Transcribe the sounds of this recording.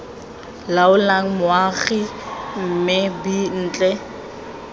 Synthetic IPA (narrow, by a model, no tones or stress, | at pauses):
laʊlaŋ̩mʊaχim̩mɪbin̩ːt͡ɬʼɛ